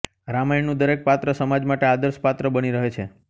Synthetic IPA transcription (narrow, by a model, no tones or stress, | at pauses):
ɾamajnũd̪əɾek̚pat̪ɾəsəmad͡ʒmaʈead̪əɾspat̪ɾəbəniɾəɦet͡ʃʰe